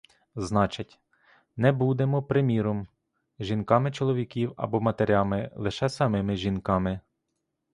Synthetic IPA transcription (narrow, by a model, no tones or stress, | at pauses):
znɑt͡ʃɐtʲ | nɛbud̪emɔpɾɪmʲiɾɔm | ʒinkɑmɪt͡ʃɔlˠɔʋʲikʲiwɐ̰bɔmɐt̪eɾʲɑmɪlˠɪʃɛsɐmɪmɪʒinkɑmɪ